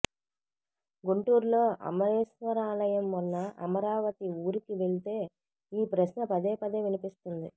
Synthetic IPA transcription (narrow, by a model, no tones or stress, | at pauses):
ɡuɳʈuːɾlo̞ːʔɐ̰mɐɾeːʃʋɐɾaːlɐjɐmːunːɐɐmɐɾaːʋɐt̪iuːɾikiʋe̞ɭit̪e̞ː | iːpɾɐɕnɐpɐd̪eːpɐd̪e̞ːʋinipist̪und̪i